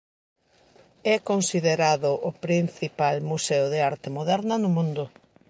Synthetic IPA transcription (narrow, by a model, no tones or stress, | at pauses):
ɛkonsiðeɾaðʊʔʊpɾin̟θipalmuseʊðeaɾt̪ɪmoðɛɾnɐnʊmũnd̪ʊ